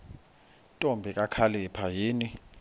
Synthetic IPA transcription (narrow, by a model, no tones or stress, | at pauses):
tʼombʱikʼakʰalɛpʰajiːni